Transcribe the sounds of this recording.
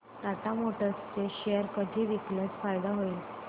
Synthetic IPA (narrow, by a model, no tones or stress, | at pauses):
t̪at̪amoʈəst͡seɕeəɾkəd̪ʱiːʋiklət͡sfajd̪aɦoiːl